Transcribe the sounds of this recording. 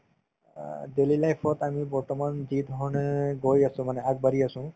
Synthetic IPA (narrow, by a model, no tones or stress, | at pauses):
delilajpʰɔt̪amibɔɹtɔmanzid̪ʱɔɹɔneɡojasũmanɛak̚baɾiasʊ̃